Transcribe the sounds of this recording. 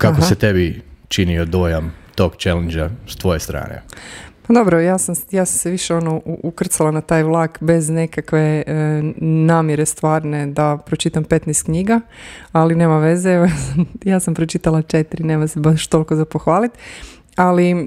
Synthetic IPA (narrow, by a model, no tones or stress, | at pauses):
kaɦkoset̪ebit͡ʃiniod̪ojamt̪oɡt͡ʃelend͡ʒast̪ʋo̞jest̪ɾa̰ːnḛpad̪o̞bɾojaːsamjaːsamseʋiʃe̞o̞nouʔukr̩t̪salˠanat̪aːjʋlˠaːkbe̞zne̞kakʋe̞ | naːmjeɾe̞st̪ʋaːɾne̞d̪apɾot͡ʃit̪ampe̞t̪nɛst̪kɲiɡaalineːmaʋe̞zeeʋojasamjaːsampɾot͡ʃit̪alˠat͡ʃet̪iɾine̞ːmasebaʃt̪o̞lˠkozapo̞xʋaːlit̪ | ali